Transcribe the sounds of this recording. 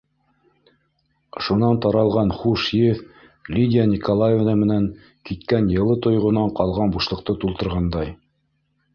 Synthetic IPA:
ʃunɑnt̪ɑɾɑlˠʁɑnχuʃjɘf | lʲid̪ʲɪanʲikolˠajevnɑmɘ̆næŋ | kit̪kænjɤ̆lˠɤt̪ŏjʁŏnɑɴqɑlˠʁɑnbuʃlˠɤ̆q̚t̪ɤt̪ulˠt̪ɤ̆ɾʁɑnd̪ɑj

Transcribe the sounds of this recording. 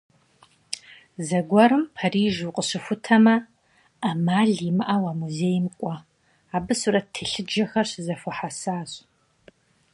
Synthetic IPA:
zɐɡʷɔɾɨmpʰariːʒuqʼəɕɪfʷʊtʰɐmɐː | maːɮimɨʔawaːmuzeːjmkʷʼɔ | aːbɨsuɾɐtʰɨɬɨd͡ʒɐxɐrɕzɐfɔħasaːɕʼ

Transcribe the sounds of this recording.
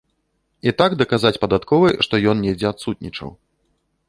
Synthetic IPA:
it̪aɡd̪ɐkazat͡sʲpɐd̪at̪kɔvɨʂt̪ɔjɔnnʲɛd͡zʲɛat̪sut̪̚nʲit͡ʂɐ̰w

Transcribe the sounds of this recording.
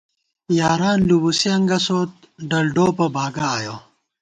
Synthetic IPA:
jaːɾaːnlubusiɐŋɡɐsoːt̪̚ | ɖɐlɖoːpɐbʱaːɡaːjoː

